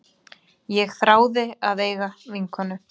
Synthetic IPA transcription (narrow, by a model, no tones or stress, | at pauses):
jɛɣθɾaːwðɪaðeːjɣaviŋkanʏ